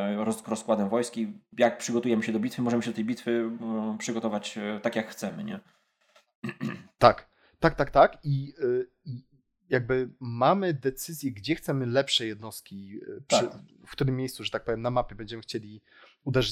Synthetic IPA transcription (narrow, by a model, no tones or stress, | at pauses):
ɾɔsɾɔskwad̪ɛmvɔjskʲijak̚pʂɘɡɔt̪ujɛmɘɕɛd̪ɔbʲit̪fɘmɔʐɛmɘɕɛd̪ɔt̪ɛjbʲit̪fɘpʂɘɡɔt̪ɔvat͡ɕt̪akʲjakxt̪sɛmɘ̰ɲɛ̰ | t̪ak | t̪ak̚t̪ak̚t̪aki | i | jaɡ̚bɘmamɘd̪ɛt̪sɘzʲjɛɡd͡ʑɛxt̪sɛmɘlɛpʂɛjɛd̪̚nɔst̪̚kʲipʂɘfkt̪uɾɘmːʲejst̪suʐɛt̪ak̚pɔvʲjɛmnamapʲjɛbɛɲd͡ʑɛmɘxt͡ɕelʲi | ud̪ɛʐɪ